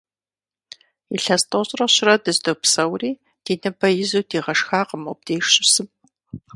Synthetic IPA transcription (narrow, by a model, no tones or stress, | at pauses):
iɬɐstʰʼoɕʼrɐɕɪrɐdɨzdopsɐwriː | d̥iːnɨbɐjɪzuːdiːʁɐʂxaːqəmop̚d̥eːʂɕʼɪsɨm